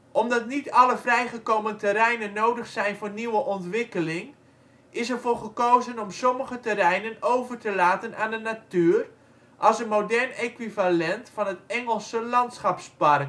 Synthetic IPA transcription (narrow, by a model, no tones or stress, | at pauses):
ʔɔmdɑtnitɑləvrɛjχəkowməntɛɾɛjnənːowdəχsɛjnvoːrniwəʔɔntʋɪkəlɪŋ | ɪsərvʊːχəkowzənɔmsɔməχətərɛjnənowvərtəlaːtənʔaːndənatyːr | ʔɑlˠsənmowdɛrnekʋivalɛntfɑnɦətɛŋəlˠsəlɑntsχɑpspɑrk